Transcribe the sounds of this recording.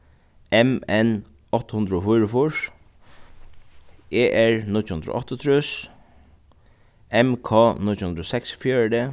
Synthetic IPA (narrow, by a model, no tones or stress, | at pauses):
ɛmɛn | ɔht̪hʊnd̪ɾəɔfʊjɾəfʊʂ | eːʔɛɹnɪt͡ʃhʊnd̪ɾʊ̰ʔɔht̪ɔt̪ʰɾʊs | ɛmkʰɔːnɪt͡ʃhʊnd̪ɾɔsɛksfjœːɹd̪e